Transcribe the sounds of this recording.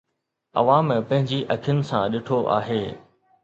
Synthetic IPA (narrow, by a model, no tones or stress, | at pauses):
ɐ̰ʋaːm̃pɐ̃ɦɪ̃ɲd͡ʑiʔɐkʰijʊnɪ̆sãɗɪʈʰoʔa̰ːɦeː